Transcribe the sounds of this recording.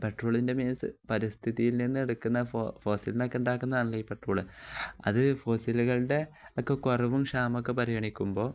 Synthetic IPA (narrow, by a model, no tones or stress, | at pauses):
pe̞ʈruːɭinde̞meːnsɨ̰pɐɾist̪ʰiðijilninːɨe̞ɽukːunːɐffo̞ːsilno̞kːeuɳɖaːkːunːɐðaːɳlɐipe̞ʈruːɭɨɐ̰ðɨfo̞ːsiluɣɐɭɽe̞ | okːe̞koriʋumɕaːmok̬ːepɐɾiɣɐɳikʲːumbo̞ː